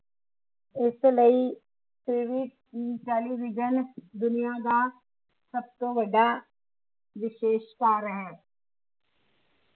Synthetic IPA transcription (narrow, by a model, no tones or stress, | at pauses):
ɪsləi | siːʋɪʈ̚ | it͡ʃaːliʋɪd͡ʒənd̪ʊnijaɡ̪a | sɐb̚t̪obɐɖa | ʋɪʃeːʃpaːɾəɦɛ̃ː